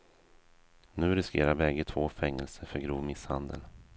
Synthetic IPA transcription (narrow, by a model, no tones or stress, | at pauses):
nʉ̟ːɾɪskeːɾaɾbɛɡət̪ʰvoːfɛŋːɛlsəfœɾɡɾuːvmɪshand̪ə̰l